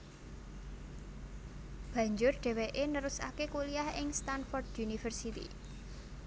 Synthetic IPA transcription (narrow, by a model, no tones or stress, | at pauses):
b̥ä̤ɲd͡ʒʊrɖ̥ɛ̤weʔenəɾusa̰kekuliahɪŋst̪anfɔrd̥junifərsit̪ḭ